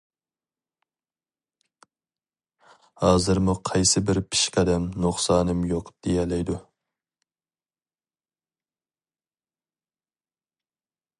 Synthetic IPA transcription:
hɑːzɨɾmuqʰɑjsɪbɪɾpʰi̥ʃqɑd̪ɛmnoχsɑːnɨmjoqd̪̥ejɛlɛjd̪u

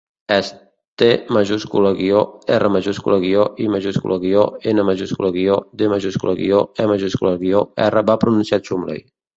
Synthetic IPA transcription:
ɛs | t̪emaʒuskuləɣioɛrəmaʒuskṵlɣioʔimaʒuskṵlaɣioenəmaʒuskṵlaɣiod̪emaʒuskulaɣioɛmaʒuskulaɣioɛ̰rəbapɾununsiat̪sumlḛj

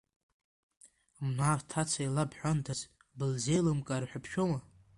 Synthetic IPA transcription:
mnaːvtʰat͡sʷʰailabħʷandʰaz | bɨlzejlɨmkʼarħʷᶣapʰʃᶣoma

